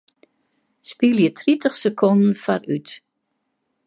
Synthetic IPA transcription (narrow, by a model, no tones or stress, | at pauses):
spiljət̪ʰɾit̪əχsɛkʰɔnn̩fa̰ɾʉ̰ːt̪